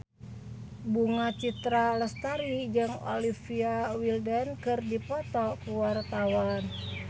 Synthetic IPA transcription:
buŋat͡ʃit̪ɾaləst̪aɾid͡ʒɨŋo̰lifiawildənkɨrdipɔt̪ɔkuwart̪awan

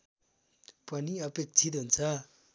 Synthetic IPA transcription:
pʌniʌpek̚t͡sʰit̪ɦunt͡sʰʌ

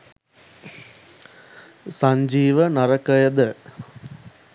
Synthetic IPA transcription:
saɲd͡ʒiːʋənɐɾɐkəjəd̪ə

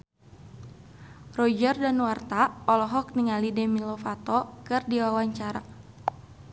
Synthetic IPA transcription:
rɔd͡ʒərdanwart̪aɔlɔɦɔk̚niŋalidɛmilɔfat̪ɔkɨrdiwawaɲt͡ʃaɾa̰

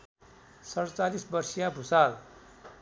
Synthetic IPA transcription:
sʌɽt͡salisbʌrsijabʱusal

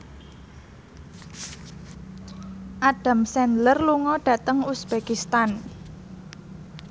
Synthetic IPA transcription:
ʔaɖ̥a̤msɛnlərluŋɔɖ̥a̤t̪əŋusb̥ekist̪an

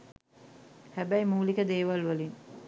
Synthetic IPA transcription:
hæbæjmuːlikəd̪eːʋalʋəlin

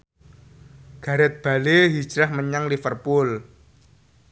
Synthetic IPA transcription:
ɡ̥a̤ɾɛt̪̚b̥a̤leɦi̥d͡ʒɾahməɲaŋlifərpʊl

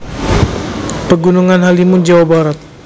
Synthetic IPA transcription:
pəɡunuŋanɦalimʊnd͡ʒawabaɾat̪̚

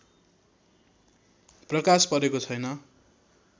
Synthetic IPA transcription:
prʌkaspʌɾekot͡sʰʌjnʌ

